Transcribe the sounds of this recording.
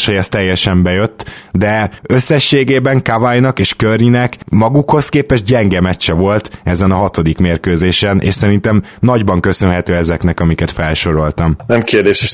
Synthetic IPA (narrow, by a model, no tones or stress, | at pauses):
ʃɛjɛst̪ɛjːɛʃɛmbɛjøt̪ːd̪ɛø̞sːɛʃːeːɡeːbɛŋkavajnɒkeːʃkørinɛkmɒɡukho̞skeːpɛʒɟɛŋɡɛmɛt͡ʃːɛvo̞lt̪ɛzɛnɒɦɒt̪o̞d̪ikmeːrkøːzeːʃɛnʔḛːʃsɛɾint̪ɛm | nɒɟbɒŋkø̞sø̞nɦɛt̪øːɛzɛknɛkɒmikɛt̪fɛlʃo̞ɾo̞lt̪ɒmnɛmkeːrd̪eːʃeʃ